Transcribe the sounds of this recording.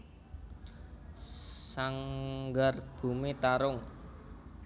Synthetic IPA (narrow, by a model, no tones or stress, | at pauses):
saŋɡarb̥ṳmit̪aɾʊŋ